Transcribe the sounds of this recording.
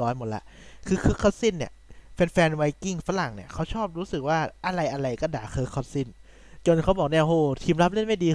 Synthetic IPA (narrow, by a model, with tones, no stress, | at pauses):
ɔː˦˥nmo˨˩t̚la̰˧ʔkʰɯː˧kʰɤː˦˥kʰa˧˩si˥˩nːi˦˥˩ɐpe˧nfɛː˧nwa˧˥jki˥˩ŋfa˧˥la˨˩ŋni˦˥˩ɐkʰa˦˥wt͡ɕʰɔː˥˩p̚ɾuː˦˥sɯ˨˩k̚waː˥˩ʔa˧ɾa˧jʔa˧ɾa˧jkɔː˥˩daː˨˩kʰɤː˦˥kʰːa˧˩t̚si˥˩n | t͡ɕo˧nkʰa˦˥wbɔː˨˩k̚ni˥˩ɐhoː˧˩t̪ʰiː˧mɾa˦˥p̚le˥˩nma˥˩jdiː˧